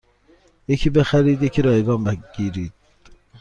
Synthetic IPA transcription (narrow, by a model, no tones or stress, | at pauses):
jecʰiːbexæɾiːd̪jecʰiɾɒːjeɡɒːmæɡ̥iːɾiːd̪̥̚